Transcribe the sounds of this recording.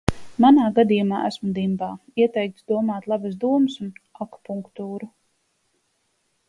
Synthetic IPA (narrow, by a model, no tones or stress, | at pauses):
manaːɡad̪ijumaːæsmud̪imbaːiɛt̪ɛjk̚t̪sd̪uɔmaːt̪lˠabəsd̪uɔmɨsunaku̥puŋkt̪uːɾu